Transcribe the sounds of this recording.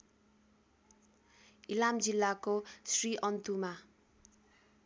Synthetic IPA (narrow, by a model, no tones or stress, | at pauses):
ilamd͡zilːakosriʔʌnt̪uma